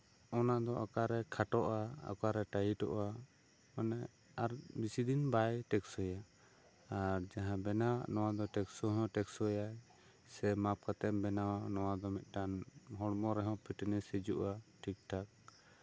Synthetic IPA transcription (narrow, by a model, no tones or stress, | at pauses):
ɔnaʔd̪ɔʔakaɾɛkʰaʈɔʔaa̰kaɾɛʈajiʈɔʔa | manɛ | aɾbisid̪inbajʈɛksɔja | aɾd͡ʒaɦãbɛnawaʔnɔwad̪ɔʈɛksɔɦɔ̃ʈɛksɔja | sɛmap̚kat̪ɛmbɛnawanɔwad̪ɔmɛt̪̚ˀʈanɦɔɽmɔɾɛɦɔ̃pʰiʈɛnɛsɛd͡ʒuʔaʈʰik̚ʈʰak̚